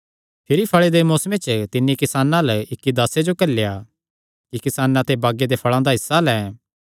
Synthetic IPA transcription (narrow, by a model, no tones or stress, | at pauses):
pʰɪɾipʰɐɭed̪emoːsmẽt͡ʃət̪ɪnːikɪsaːnãlɪkːid̪ɐsed͡ʒokɐlːja | kikɪsaːnãt̪ebaːɡed̪epʰɐɭãd̪aɦɪsːalɛ̃ː